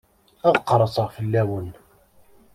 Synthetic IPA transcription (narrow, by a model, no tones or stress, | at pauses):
æðqːɾˤɑsˤəʁfəlːæwən